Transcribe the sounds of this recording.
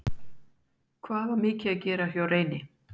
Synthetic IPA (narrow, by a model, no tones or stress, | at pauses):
kʰvaːvaɾmɪːcɪaðcɛːɾahjaːwreːjnɪ